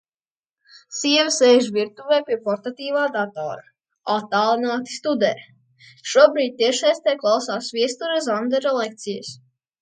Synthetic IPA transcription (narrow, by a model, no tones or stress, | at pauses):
siɛvʲsɛjʒviɾt̪uvɛːpʲiɛpɔɾt̪at̪iːvaːd̪at̪ɔ̰ːɾa | at̪ːaːlˠinaːt̪i̥st̪ud̪ɛɾ | ʃuɔbɾiːd̪̚ʲt̪iɛʃajst̪ɛjklˠawsaːsvʲiɛst̪uɾazand̪ɛɾalˠɛk̚t̪sijɛ̰s